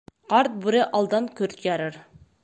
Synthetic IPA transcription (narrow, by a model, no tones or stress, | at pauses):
qɑɾt̪̚buɾɪʔɑlˠd̪ɑnkʲʰøɾt̪jɑɾɑɾ